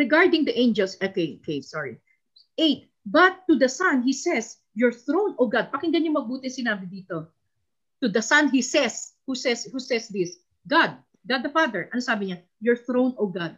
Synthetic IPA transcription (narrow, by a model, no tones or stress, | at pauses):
ɹɛɡaɹd̪ɪ̃ŋd̪ɐʔẽnd͡ʒɛlsʔokejʔokejsɔɹi | ʔejt̪̚ | bɐt̪ːud̪ɐsɐ̃nɦisɛs | jɔɹθɹownɔvɡad̪̚pɐkɪ̃ŋɡɐnɲoŋmɐɡ̚buːt̪ɪsɪnaːbɪd̪iːt̪o | t̪ʊd̪ɐsɐ̃nɦisɛshusɛshusɛsd̪is | ɡad̪̚ | ɡad̪̚ɐfad̪ɛɹʔɐnosaːbɪɲa | jɔɹθɹõwnɔvɡad̪̚